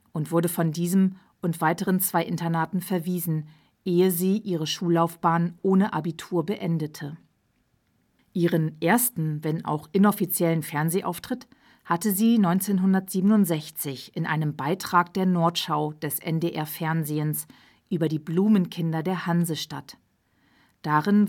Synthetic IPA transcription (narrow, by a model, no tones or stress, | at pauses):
ʔʊntv̥ʊɐdəfɔndiːzəm | ʊntv̥aɪtəʁənt͡sv̥aɪʔɪntɐnaːtn̩fɛɐviːzn̩ | ʔeːəziːʔiːʁ̞əʃuːlːaʊfb̥aːnʔoːnəʔabitʰuːɐbəʔɛndətʰə | ʔiːʁənʔeːɐstn̩vɛnʔa̰ʊxʔɪnɔfit͡sjɛlənfɛɐnzeːʔa̰ʊftʁ̥ɪt | hatəziːnɔʏnt͡seːnɦʊndɐtz̥iːbənʊntz̥ɛçt͡sɪçʔɪnʔa̰ɪnəmbaɪtʁ̥aːk̚d̥eːɐnɔɐtʃaʊd̥ɛsʔɛ̰ndeːʔɛɐfɛɐnzeːəns | ʔyːbɐdiːbluːmənkʰɪndɐdeːɐhanzəʃta̰t | d̥aːʁɪn